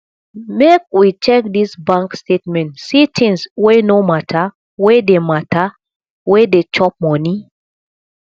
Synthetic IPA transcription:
mek̚wit͡ʃɛk̚disbãŋkstetmɛ̃ntsit̪ʰĩŋswenomatʰa | wedematʰa | wedet͡ʃɔp̚mɔni

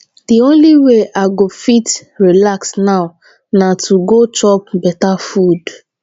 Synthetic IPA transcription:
d̥iõnliweʔaɪɡofitɹilaksnaʊ | natʰuɡotɔp̚bɛtafud

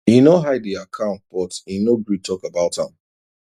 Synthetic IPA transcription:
inoɦaɪdiakʰãʊ̃nt̚b̥ɔtinoɡɹitʰɔkabaʊthã̰m

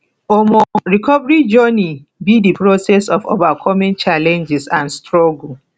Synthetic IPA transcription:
omɔɹikʰɔvɹid͡ʒɔni | bidipɹosɛsɔfo̰vakʰɔmĩnt͡ʃalɛ̃nd͡ʒɪsãnstɹɔɡul̩

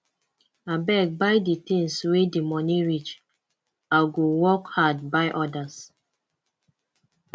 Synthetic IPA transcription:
abɛk̚bajditĩŋswedimɔniɹit͡ʃ | alɡowɔkhad̚baɪʔɔdas

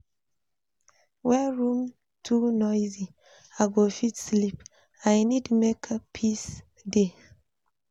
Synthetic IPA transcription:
wɛɹũm | tʰunɔjzi | aɡofitslip | ajnidmekʰpʰis | de

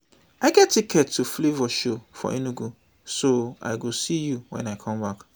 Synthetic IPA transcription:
aɪɡɛttʰːikʰɛtʰːuflivɔʃofɔ̰ʔĩnũɡu | soa̰ɪɡosijuwɛ̰̃naɪkʰɔ̃mbak

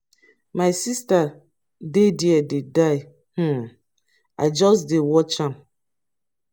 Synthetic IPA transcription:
maɪsista | dediɛdedaɪ | h̩ | a̰ɪd͡ʒɔsdewɔt͡ʃãm

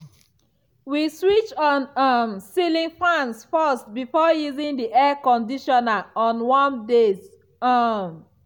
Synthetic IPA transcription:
wiswit͡ʃɔ̃nʌmsilĩŋfãnsfɔstbifɔjuzĩŋdiʔɛkɔ̃ndiʃɔnaɔ̃nwãnde | m

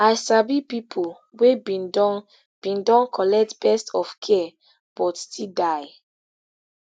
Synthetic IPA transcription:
ajsabipipʰol | webindɔn | b̥ĩndɔ̃nkʰɔlɛk̚tbɛstɔfkʰɛ | b̥ɔtstʰidaj

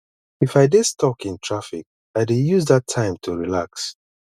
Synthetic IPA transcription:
ifaɪdɪdstɔkĩntʰɹafik̚ | aɪdejuzðatʰːãɪ̃mtʰuɹilaks

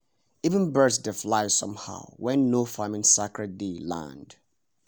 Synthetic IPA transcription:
ivə̃nbɜsdəflaɪ̥sʌ̰̃mha̰ʊwɛ̃nːofamɪ̃nsakɹɛt̚delã̰nd̥

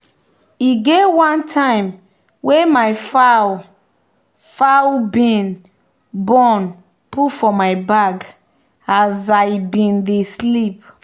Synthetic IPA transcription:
iɡewãntʰãɪ̃m | wemajfa | fawbĩn | bɔn | putfɔmajbaɡ | azajbĩndeslip̚

